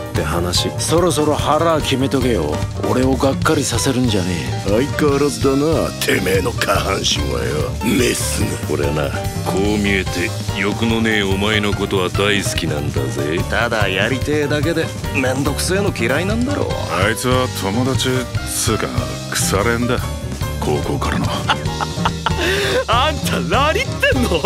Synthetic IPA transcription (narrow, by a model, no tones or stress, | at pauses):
tt̪ːe̞hanaɕiso̞ɾo̞s̬o̞ɾo̞haɾakʲime̞t̪o̞ɡe̞jo̰o̰ɾe̞o̞ɡakːaɾʲisase̞ɾɯ̟̃ɲ̟d͡ʑanḛːaikːaɾad̪anat̪ʰe̞meːno̞kʰahãɰ̃ɕĩɰ̃βa̰ḛa̰mesɨko̞̰ɾe̞na̰kʰo̞ːmʲie̞t̪e̞ | jo̞kɯ̟no̞ne̞ːomaeno̞ko̞t̪o̞βad̪aisɨ̥kʲinãnd̪a̰zet̪ad̪ajaɾʲit̪e̞ːd̪ak̬e̞d̪e̞ | mẽ̞nd̪o̞kɯ̟̥se̞ːno̞kʲiɾainãnd̪aɾo̰ːait͡sɨβat̪ʰo̞mo̞d̪at͡ɕisɨːka̰ŋ̰ | kɯ̟̥saɾẽnd̪a | kʰo̞ːko̞ːkaɾano | ant̪ʰanaɾʲit̪ːẽ̞nːo